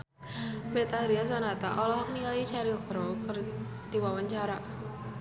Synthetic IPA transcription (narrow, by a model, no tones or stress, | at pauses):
bɛt̪aɾias̬ɔnat̪aʔɔlɔɦak̚niajit͡ʃaɾilkɾɔkər | d̥iwawaɲt͡ʃaɾa